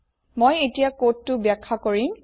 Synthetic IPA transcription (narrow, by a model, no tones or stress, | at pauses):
mojetijakotːʊbjakʰːakoɹim